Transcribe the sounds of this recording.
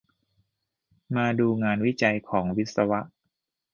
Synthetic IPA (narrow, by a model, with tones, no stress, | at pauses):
maː˧duː˧ŋaː˧nwi˦˥t͡ɕa˧jkʰɔː˩˦ŋwi˦˥t̪̚sa˧wa˦˥ʔ